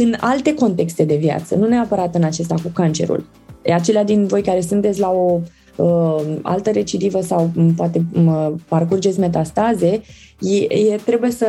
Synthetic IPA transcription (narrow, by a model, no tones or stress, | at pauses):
ɨna̰lt̪e̞ko̞nt̪e̞kst̪e̞d̪e̞vja̰t̪sə̰nune̞apəɾat̪ɨnat͡ʃe̞s̬t̪akukant͡ʃe̞̰ɾṵl | at͡ʃe̞lead̪invo̞jkaɾe̞sɨnt̪et̪sʲlao̞ | əa̰lt̪əɾe̞t͡ʃid̪ivəsawpoat̪e̞parkurd͡ʒe̞t̪sʲme̞t̪̬ast̪aze̞ | jejet̪ɾe̞buje̞sə